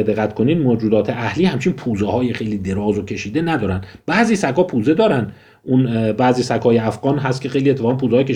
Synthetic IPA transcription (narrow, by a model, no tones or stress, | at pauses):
ed̪e̞ɣæt̪kʰo̞niːd̪mod͡ʒuːd̪ɒːt̪ʰe̞ʔæhliːhæmt͡ʃʰinpʰuːzehɒːjexejliːd̪e̞ɾɒːzocʰe̞ʃiːd̪e̞næd̪ɒːɾænd̪bæʔziːsækʰɒːpʰuːze̞d̪ɒːɾænd̪ | ʔunbæːziːsækʰhɒːjeæfɢɒːnɦæst̪kcʰe̞xe̞jliet̪ʰːeɒːɣænpʰuːzeɒːjekʰe